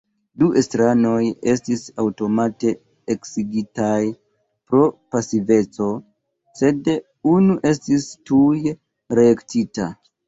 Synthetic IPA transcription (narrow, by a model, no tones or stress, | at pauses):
duʔe̞stɾano̞je̞stisawto̞mate̞ | eksiɡitaj | pɾo̞pasive̞t͡so̞ | se̞d | unuʔe̞stistuj | ɾeektita